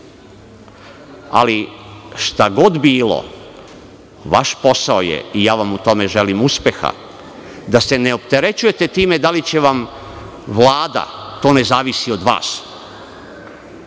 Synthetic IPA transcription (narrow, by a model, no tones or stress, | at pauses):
a̰liʃt̪aɡo̞d̪biːlo̰ | ʋaʃpo̞saojḛijaːʋamut̪o̞me̞ʒe̞limuspe̞xa̰ | d̪ase̞neo̞pt̪e̞ɾe̞t͡ɕuje̞t̪e̞t̪iːmed̪alit͡ɕe̞ʋam | ʋlaːd̪a̰t̪o̞ːne̞zaːʋisio̞d̪ʋa̰ːs